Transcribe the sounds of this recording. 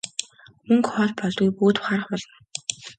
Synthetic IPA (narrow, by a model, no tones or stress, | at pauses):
mɵŋkχɔɮpɔɮɡujpuːt̪wχarə̆χpɔɮɞ̆n